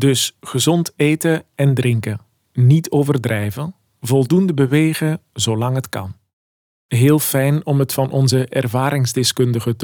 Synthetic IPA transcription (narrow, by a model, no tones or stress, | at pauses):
dɵsχəzɔntejtəɛndrɪŋkə | nitʰoːvərdrɛjvən | vɔlˠdundəbəʋeːɣəzolɑŋɦətkɑ̰n | ɦeːlˠfɛjnɔmɦətfɑnʔɔnzəʔɛrvaːɾɪŋzdɪskɵndəɣət